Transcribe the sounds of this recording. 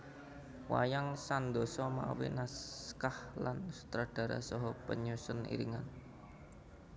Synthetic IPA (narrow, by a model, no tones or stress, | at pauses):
wa̰jaŋsand̪ɔsɔma̰winaskahlansu̥t̪ɾad̥a̤ɾa̰sɔɦɔpəɲusʊnḭɾiŋan